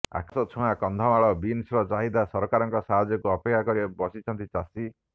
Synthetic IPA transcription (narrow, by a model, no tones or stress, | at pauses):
a̰kʰsɔt͡ʃʰuɦakɔnd̪ʱɔmaɭɔbinsɾɔd͡ʒaɦid̪asɔɾɔkaɾɔŋkɔsaɦad͡ʒjɔkuɔpekʰːakɔɾibɔsit͡ʃʰɔnt̪it͡ʃasi